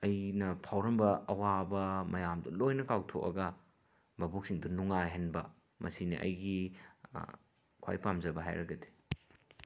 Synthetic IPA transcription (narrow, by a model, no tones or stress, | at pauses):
ɐjnɐpʰawɾɐmbɐɐwabɐmɐjamdɐ̰lojnɐkawtʰo̰k̚ɐ̰ɡɐ | bɐbok̚siŋdunuŋajɦɐnbɐ | mʔɐsinḭʔɐ̰jɡi | kʰa̰jpamd͡ʒɐbɐɦa̰jɾɐɡɐde̥